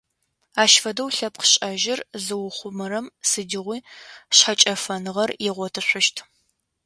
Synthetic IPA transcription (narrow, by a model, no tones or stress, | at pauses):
aːʃfɐdɐwɬɐp̚qʰə̥ɕʼɐʒɪrzɨwʊχʷʊmɨɾɐmsɨdɪʁʷiːɕħat͡ʃʼɐfɐnɨʁɐrjɪʁʷɔtʰɨɕʷʊʃtʰ